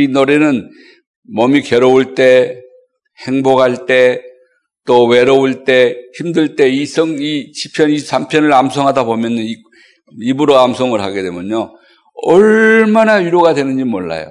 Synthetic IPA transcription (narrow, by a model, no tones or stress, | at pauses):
inoɾenɯn | mʌmikeɾouɭt͈e̞ | heŋboɡɦaɭt͈e̞ | t͈owe̞ɾʌuɭt͈e̞çimdɯɭt͈e̞isʰʌŋiɕʰi̥pʰjʌnisʰampʰjʌnɯɭamsʰʌŋɦadabomjʌni | ibuɾoamsʰʌŋɯɭɦaɡe̞dwemjʌɲo | ʌɭmanajuɾjoɡadwe̞nɯnd͡ʑimoɭːa̰jo̰